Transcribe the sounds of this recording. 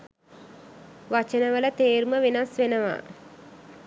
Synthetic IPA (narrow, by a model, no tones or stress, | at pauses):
ʋat͡ʃənəʋələt̪eːɾuməʋenasʋenəʋa̰